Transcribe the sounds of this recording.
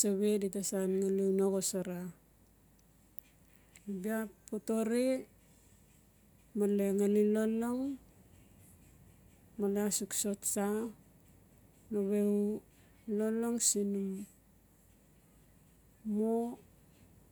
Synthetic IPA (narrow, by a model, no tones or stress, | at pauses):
saβe̞ditasanŋalewnoɣosaɾa | nbiapoto̞ɾe | maleŋaliloloŋ | maleasukso̞tsa | noβeu | loloŋsinum | mo